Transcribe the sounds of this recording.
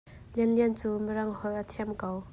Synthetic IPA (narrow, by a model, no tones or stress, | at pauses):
liənliənt͡suːməɾɐŋhɔlʔat̪ʰiəmkaw